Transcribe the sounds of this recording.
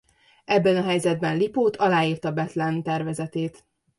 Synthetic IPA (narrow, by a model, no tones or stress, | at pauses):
ɛbːɛnɒɦɛjzɛd̪̚bɛnlipoːt̪ʰɒlaːiːrt̪ɒbɛt̪lɛnt̪ɛrvɛzɛt̪eːt̪